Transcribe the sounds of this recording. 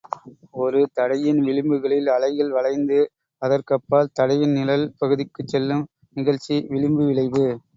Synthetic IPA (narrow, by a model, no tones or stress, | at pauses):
ɔɾɯt̪ɐɽɐjɪnʋɪɻɪmbɯɣɐɭɪlɐɭɐɪɣɐɭʋɐɭɐɪnd̪ɯ | ɐðɐrkɐpːaːlt̪ɐɽɐjɪnnɪlɐlpɐɣɯðɪkːɯt͡ʃːɛlːɯm | nɪɣɐɻt͡ʃːiʋɪɻɪmbɯʋɪɭɐɪðɯ